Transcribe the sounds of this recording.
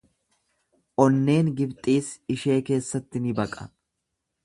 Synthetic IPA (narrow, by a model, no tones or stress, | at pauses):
ʔɔnːe̞ːŋɡɪbt̪ʼiːsɪʃe̞ːke̞ːsːɐt̪ːɪnɪbɐkʼɐ̰